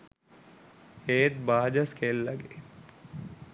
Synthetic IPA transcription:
heːt̪̚baːd͡ʒaskelːaɡe

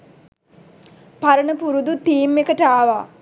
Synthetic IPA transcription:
paɾənəpuɾud̪ut̪iːmːekəʈəaːʋaː

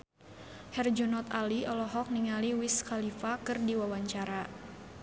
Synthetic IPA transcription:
hɛrd͡ʒɔnɔt̪aliʔɔlɔɦɔk̚niŋaliwiskalifakɨrdiwawaɲt͡ʃaɾa

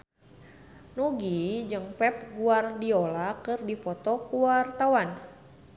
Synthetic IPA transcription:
nuɡid͡ʒɨŋpɛp̚ɡuardiolakɨrdipɔt̪ɔkuwart̪awan

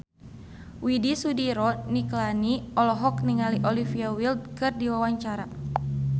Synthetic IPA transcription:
widisudiɾɔniklaniɔlɔɦɔk̚niŋaliʔɔlifiawild̚kɨrdiwawaɲt͡ʃaɾa

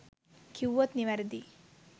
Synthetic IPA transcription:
kʰiwːot̪niʋɐɾd̪i

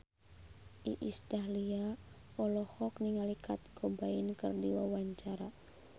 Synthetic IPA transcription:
ʔḭʔisd̪alia | ɔlɔhɔk̚niŋalikʰat̪̚ɡ̥obaɪnkɨrdiwa̰waɲt͡ʃaɾa

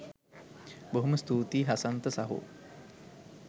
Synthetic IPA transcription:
boɦuməst̪uːt̪iːɦasant̪əsaɦṵ

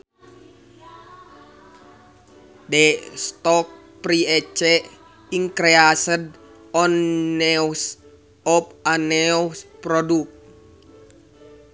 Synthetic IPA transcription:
dɛst̪ɔk̚ | pɾiɛt͡ʃɛʔ | iŋkɾeasəd̚ | ɔnːɛws | ɔpanɛspɾɔduk̚

